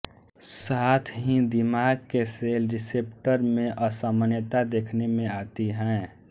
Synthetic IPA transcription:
saːt̪ʰɦid̪ɪmaːɡ̚keselɾɪsep̚ʈəɾmẽʔəsamənjət̪ad̪eːkʰnemẽaːt̪iɦɛ̃

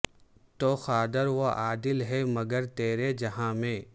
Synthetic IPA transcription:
t̪oːxaːd̪əɾʋoʔaːd̪ɪlɦɛmɐɡəɾt̪eːɾed͡ʒɐɦãːmẽː

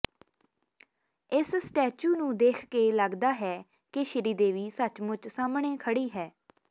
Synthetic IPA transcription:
ɪssʈɛːt͡ʃuːnũːd̪eːkʰkeːləɡd̪aːɦɛː | kɪʃɪɾiːd̪eːʋiːsət͡ʃmʊt͡ʃsaːmɳẽːkʰəɽiːɦɛː

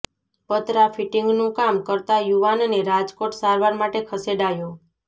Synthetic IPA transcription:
pət̪ɾafiʈɪŋɡnũkamkəɾt̪ajuʋanneɾad͡ʒkoʈsaɾʋaɾmaʈekʰəseɖajõ

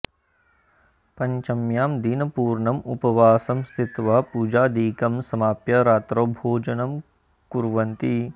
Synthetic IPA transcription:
pɐɲt͡ʃɐmjaːmd̪inɐpuːɾɳɐmupɐʋaːsɐmst̪ʰit̪ʋɐːpuːd͡ʒaːd̪iːkɐmsɐmaːpjɐɾaːt̪ɾoːbʱoːd͡ʒɐnɐm | kuɾʋɐnt̪i

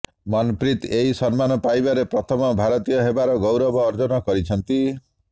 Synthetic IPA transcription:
mɔnpɾit̪eɦisɔnmanɔpajbaɾepɾɔt̪ʰɔmɔbʱaɾɔt̪ijɔɦebaɾɔɡowɾɔbɔːɾd͡ʒɔnɔkɔɾit͡ʃʰɔnt̪i

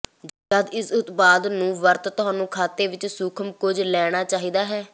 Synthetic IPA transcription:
d͡ʒəd̪ɪsʊt̪baːd̪nũːʋəɾt̪t̪ʊɦãːnũːkʰaːt̪eːʋɪt͡ʃsʊkʰəmkʊd͡ʒlɛːɽ̃aːt͡ʃaːɦiːd̪aːɦɛː

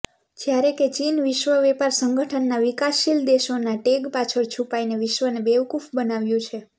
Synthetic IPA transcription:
d͡ʒjaɾeket͡ʃinʋiʃʋəʋepaɾsəŋɡəʈʰənːaʋikaʃːild̪eʃonaʈeɡpat͡ʃʰəɾt͡ʃʰupaineʋɪʃʋənebeʋkufʰbənaʋjũt͡ʃʰe

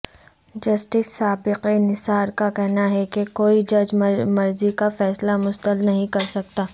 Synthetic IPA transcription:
d͡ʒɐsʈɪsːaːbɪqenɪsaːɾkakɛɦnaɦɛkekoːid͡ʒɐd͡ʒmɐɾzikafɛːslamʊst̪əlnɐɦĩkɐɾsɐk̚t̪aː

